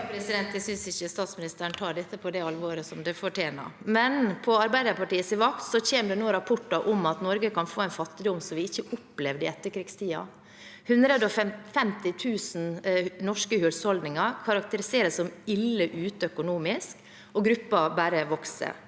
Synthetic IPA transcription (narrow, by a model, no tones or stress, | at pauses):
pʰɾɛsɪd̪ɛnt̪̚d̪ɛsʏnsɪçːəst̪ɑːt̪smɪnɪst̪əɾəɳt̪ʰɑːɖɛt̪ːəpʰɔd̪ɛɑlʋoːɾəsɔmd̪ɛfɔʈʰeːnɑ̰mɛnpʰɔɑɾbæɪd̪əɾpʰɑʈiːəsɪʋɑkt̪sɔçeːməd̪ɛnoːɾɑpʰʊʈːɑʔɔmɑt̪nɔɾɡəkʰɑnfoːæɪnfɑt̪ːɪd̪ʊmsɔmʋɪɪçːəʔʊpːlɛʋd̪ɪɛt̪ːəɾkʰɾɪɡst̪ʰiːɑ̰ | hʉnd̪ɾəd̪əɔfɛfɛmt̪ɪt̪ʰʉːsn̩nɔʂkəhʉːlshɔld̪nɪŋɑɾkʰɑɾɑk̚t̪əɾɪseːɾəsɔmɪlːəʔʉːt̪əœkʊnuːmɪsk | ɔɡɾʉpːɑbæːɾəʋɔksə̰